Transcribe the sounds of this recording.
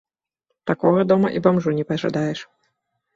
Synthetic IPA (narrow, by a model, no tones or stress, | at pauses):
t̪akɔɣɐd̪ɔmɐ̰ʔibamʐunʲɛpɐʐa̰d̪ajɛʂ